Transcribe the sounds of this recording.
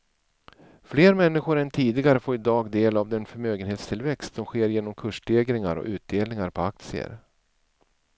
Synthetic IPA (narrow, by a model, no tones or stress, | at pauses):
fleːɾmɛnːɪɧʊɾɛnt̪ʰiːd̪ɪɡaɾəfoːɾɪd̪ɑːɡd̪eːlavd̪ɛnfœɾmøːɡənheːt̪st̪ʰɪlvɛkst̪sɔmɧeːɾjeːnɔmkʰɵʂɖ̪eːɡɾɪŋa̰ɾɔ̰ʔʉ̟ːt̪̚d̪eːlnɪŋaɾpʰɔak̚t̪sɪə̰ɾ